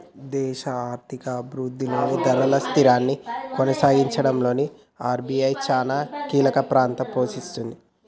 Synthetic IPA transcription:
d̪ɛːʃɐaːɾt̪ʰikɐbɾuːd̪ːiloːnid̪ɐɾɐlɐst̪iɾaːnːikɔnɐsaːɡiɲt͡ʃɐɽɐmlo̞ːni | aːɾbiɐjt͡ʃaːnaːkiːlɐkɐpɾaːnt̪ɐpo̞ːʃist̪und̪i

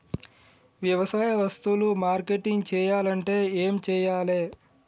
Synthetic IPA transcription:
ʋjɐʋɐsaːjɐʋɐst̪ulumaːɾkeʈiŋɡt͡ʃɛːjaːlɐɳʈe̞ːeːmt͡ʃɛːjaːleː

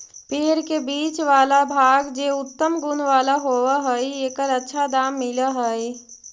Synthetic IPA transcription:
peɦɾkebiːt͡ʃʋaːlabʱaɡd͡ʒeʊt̪ːəmɡunʋaːlaɦowəɦəjeːkəɾətːʃʰad̪aːmːiləɦəj

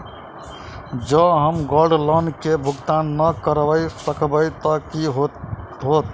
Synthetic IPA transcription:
d͡ʒəɦəmɡoɾɖlənkebʱuɡt̪anːəkəɾbəjsəkbəjt̪əkiɦoɦot̪

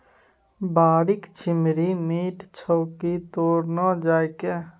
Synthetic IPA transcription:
baːɾɪkt͡ʃʰɪmɾimiːʈt͡ʃʰɔːkit̪oːɾnad͡ʒaːjke

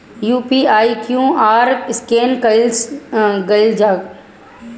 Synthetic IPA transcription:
juːpiːaːikjũːaːɾɪskeːnkɐsɡɐɪld͡ʒaːɡ

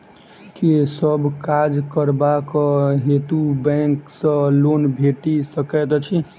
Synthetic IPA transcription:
kisəbʱkad͡ʒkəɾbakɔɦet̪ubɛ̃ksə̃lonbʱeʈisəkɛt̪t͡ʃʰi

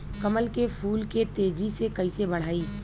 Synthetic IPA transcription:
kɐməlkepʰuːlket̪eːd͡ʒisekɐisebɐɽ̤aːiː

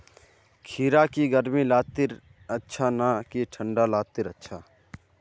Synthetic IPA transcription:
kʰiːɾakiɡəɾmilaːt̪ɪɾ | ɐtːʃʰanakiʈʰə̃ɳɖalaːt̪ɪɾɐtːʃʰaː

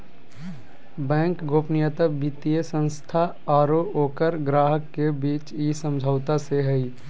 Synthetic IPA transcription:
bɛ̃ːŋkɡʱoːpnɪjət̪əbit̪ijəsə̃nst̪ʰa | aːɾooːkəɾɡɾaːɦəkːebiːt͡ʃisə̃md͡ʒʱaʊt̪aseɦɛi

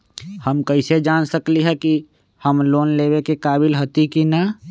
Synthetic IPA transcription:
həmkəɪsed͡ʒaːnsəkliɦɛki | həmloːnlebekekaːbɪlɦət̪ikina

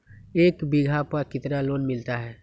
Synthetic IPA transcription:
eːkbiɡʱapakɪt̪naloːnmɪlt̪aɦɛː

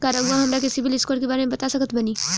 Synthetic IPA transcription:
kaːɾaɦuãɦɐmɾak̬ɪsibilɪskoːɾkebaːɾemẽbɐt̪asɐkət̪bɐniː

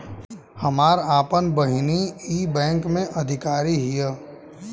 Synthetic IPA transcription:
həmaːɾaːpənbəɦɪniiːbɛ̃ːŋkmẽʔɐd̪ʱɪkaːɾiɦijə

